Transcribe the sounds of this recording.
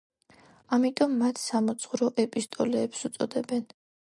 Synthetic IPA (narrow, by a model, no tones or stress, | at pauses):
amit̪ʼɔmːat̪ʰsamɔt̪sʰχuɾɔʔɛpʼist̪ʼɔlɛːpsut̪sʼɔd̪ɛbɛn